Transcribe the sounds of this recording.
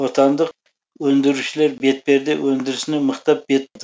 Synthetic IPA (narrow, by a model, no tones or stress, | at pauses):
wot̪ʰɑnd̪əq̚ | wɵnd̪ɪɾuʃɪleɾbet̪̚be̞ɾd̪ewɵnd̪ɪɾɪsɪnɪməqt̪ɑp̚b̥et̪̚d̪